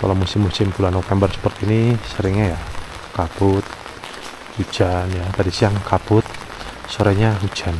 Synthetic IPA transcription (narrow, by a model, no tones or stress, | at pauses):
ka̰lamusɪmːusɪmpulanofɛmbərsə̥pərt̪iːnisəɾɪŋɲaja | kapʊt̪̚ | hu̥d͡ʒ̥anjat̪adisijaŋkʰapʊt̪̚ | soɾɛɲaɦud͡ʒan